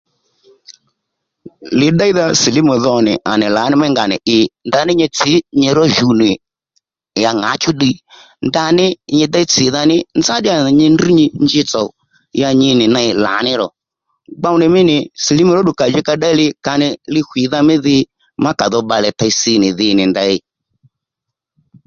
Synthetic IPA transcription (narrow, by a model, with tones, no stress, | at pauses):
lɪ˨ɗa˦i˦ða˧si˨li˦mu˨ðɔ˧nɪ̰˨ʔa˨nɪ˨la˨˦nɪ˦mɛ˦ŋɡa˨nɪ̰˨ʔɪ˧nda˧nɪ˦ɲɛ˧t͡sɪ˨˦ɲɛ˧ɾɔ˦ʒu˨nɪ˨ | ja˨ŋa̰˨˦t͡ʃu˦ɗi˧ | nda˧nɪ˦ɲɪ˧da˦i˦t͡sɪ˨˦ða˧nɪ˦nza˦ɗɪ˦ja˨ɲɪ˧ndi˦ɲɪ˧ɲd͡ʒɪ˧t͡sɔ˨ | ja˧ɲɪ˧nɪ˨na˧ɪ˧˨la̰˨˦nɪ˦ɾɔ˨ | ɡ͡ba˧wnɪ˨mɪ˦nɪ˨si˨li˦mu˨ɾɔ˦ɗu˨ka˨d͡ʒɪ˦ka˧ɗa˦i˦lɪ˧ka˧nɪ˧lɪ˦˧hʷwʷi˨˦ða˧mɪ˦ðɪ˧ | ma˦ka˨ðɔ˧ɓa˧lɛ˨ta˧jsɪ˧nɪ˨ðɪ˧nɪ˨nda˧ɪ˧˦